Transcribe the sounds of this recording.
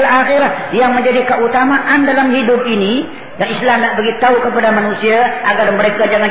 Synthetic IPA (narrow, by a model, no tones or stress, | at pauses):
laxeɾajaŋməɲd͡ʒadikəut̪amaʔandalamhidʊp̚ini | jaŋislamabəɡit̪aukəpadamanusiaaɡarməɾekad͡ʒaŋa